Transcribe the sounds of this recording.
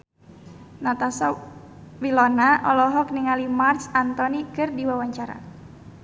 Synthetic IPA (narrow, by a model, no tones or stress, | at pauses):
nat̪asa | wilɔnaʔɔlɔɦɔk̚niŋalimarsant̪ɔnikɨrdiwawaɲt͡ʃaɾa̰